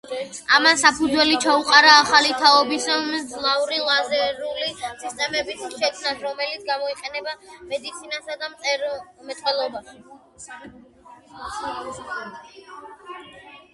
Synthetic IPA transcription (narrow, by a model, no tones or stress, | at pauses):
amansapʰud̪zwɛlit͡ʃʰauqʼaɾaːχalit̪ʰaɔbisɔmd̪zlˠauɾilˠazɛɾulisist̪ʼɛmɛbisʃɛkʰmnasɾɔmɛlit̪sɡamɔiqʼɛnɛbamɛd̪it̪sʰinasad̪amt̪sʼɛɾɔmɛt̪ʼwɛlˠɔbaʃ